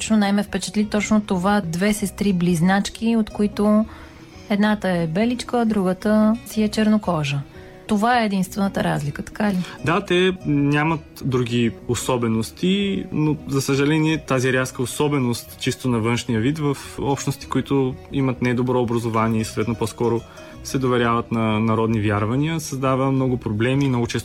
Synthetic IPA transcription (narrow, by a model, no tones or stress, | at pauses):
t͡ʃnonajmɛfpɛt͡ʃɛ̥t̪lʲit̪ɔt͡ʃnot̪ovad̪vɛsɛst̪ɾibliznat͡ʃk̟iot̪koit̪o | ɛd̪nat̪əɛbɛlit͡ʃkəːd̪ɾuɡət̪əsiɛt͡ʃɛɾnokɔʒə | t̪ovaɛːd̪inst̪vɛnət̪əɾazlikət̪ɐ̥kalid̪at̪ɛnʲamɐt̪d̪ɾuɡʲiosɔbɛnost̪inozɐsəʒɐlɛniɛt̪aziɾʲaskəosɔbɛnost̪t͡ʃist̪onɐvɤnʃnijəvit̪vəfɔpʃt̪nost̪i̥koit̪ʊimət̪nɛd̪obɾɔːbɾɐzovaniɛisoːt̪vɛt̪nopɔskɔɾo | sɛd̪ovɛɾʲavɐt̪nɐnɐɾɔd̪nivʲjaɾvɐniəsɐzd̪avəmnɔɡʊpɾoblɛmiːmnɔɡʊt͡ʃɛst̪